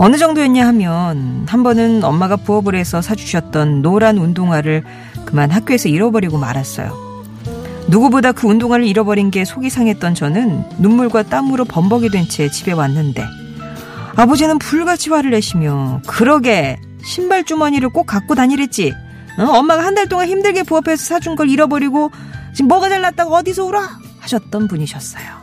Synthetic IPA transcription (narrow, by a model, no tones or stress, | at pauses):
ʌnɯd͡ʑʌŋdoeɲːahamjʌnhambʌnɯnʌmːaɡapuʌbɯɾe̞sʰʌsʰad͡ʑu̥ɕʰʌt̚t͈ʌnːoɾanundoŋɦwaɾɯɭ | kɯmanɦak͈̚joe̞sʰʌiɾʌbʌɾiɡoma̰ɾas͈ʌ̰jo̰ | nuɡubodakɯundoŋwaɾɯɾiɾʌbʌɾinɡe̞sʰoɡisʰaŋɦe̞t̚t͈ʌnt͡ɕʌnɯnːumːuɭɡwat͈amɯɾopʌmbʌɡidwent͡ɕʰe̞t͡ɕibe̞wanːɯnde̞̰ | abod͡ʑinɯnpuɭɡat͡ɕʰiwaɾɯɭe̞ɕʰimjokɯɾʌɡe̞ | ɕʰimbaɭt͡ɕ͈umʌɲiɾɯɭk͈ok͈ak͈̚otaɲiɾe̞t̚t͡ɕ͈i | ʌmːaɡahandaɭt͈oŋançimdɯɭɡe̞puʌpʰe̞sʰʌsʰad͡ʑunɡʌɾiɾʌbʌɾiɡot͡ɕimːʌɡad͡ʑaɭːat̚t͈aɡoʌdisʰʌuɾa | haɕʰʌt̚t͈ʌnpuɲiɕʰʌs͈ʌ̥jo